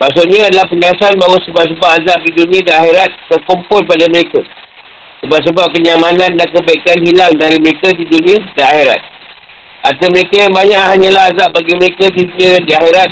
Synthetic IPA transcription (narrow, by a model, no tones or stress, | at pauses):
maks̬ʊʔɲãadalahpəɲalasanbaɦwasəbap̚s̬əbapazap̚didunĩadiaxeɾat̪̚ːərkumpʊlpadaməɾeka | səbap̚s̬əbap̚kəɲamanãndankəbaikanhilaŋdaɾiməɾekadidunĩədiaxeɾa̰t̪̚ | ʔa̰t̪əməɾekajaŋbaɲaʔhaɲãlaɦazaʔ̚baɡiməɾekadiduniədiaxeɾat̪̚